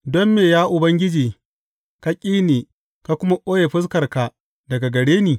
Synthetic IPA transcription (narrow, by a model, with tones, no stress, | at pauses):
dɔ˦mːeː˨jaː˦ʔʊ˨bɐ˦ŋɡʲɪ˦d͡ʒiː˨ | ka˦kʲʼiː˦neː˨ | ka˦kʷʊ˦ma˦ʔʼoː˦je˨ɸɪ˦s̬kɐ˨rka˨ | dɐ˨ɡa˨ɡɐ˨ɽeː˦niː˨